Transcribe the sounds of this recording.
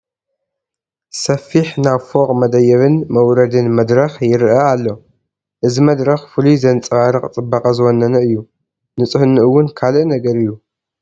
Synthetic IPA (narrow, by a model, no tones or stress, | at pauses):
sɐfiħnaβfo̞qʼmɐd̪ɐjɐβɨnmɐwɾɐd̪ɨnmɐd̪ɾɐxjɪɾɨʔɐalːo̞ | ʔɨzimɐd̪ɾɐxfɨluzɐnt͡sʼɨβaɾɨkʼt͡sʼɨbːɐkʼɐzɨwonːɐnɐɨjːu | nɨt͡sʼɨhɨnːɨʔɨwːʊnkʰalɨʔnɐɡɐɾɨjːu